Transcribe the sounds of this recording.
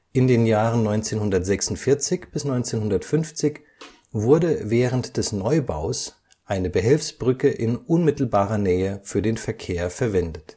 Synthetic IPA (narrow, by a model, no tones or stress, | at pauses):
ʔɪndeːnjaːʁənnɔʏnt͡seːnhʊndɐtz̥ɛksʊn̩tfɪɐt͡sɪçb̥ɪsnɔʏnt͡seːnhʊndɐtfʏnft͡sɪç | vʊɐdəvɛːʁəntd̥ɛsnɔʏba̰ʊs | ʔaɪnəbəɦɛlfsb̥ʁʏkəʔɪnʔʊnmɪtl̩baːʁɐnɛːəfyːɐdeːnfɛɐkʰeːɐfɛɐvɛndət